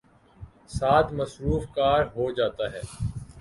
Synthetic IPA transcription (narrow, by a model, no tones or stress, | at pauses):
saːt̪ʰmɐsɾuːfkaːɾɦod͡ʒaːt̪aːɦɛ̰ː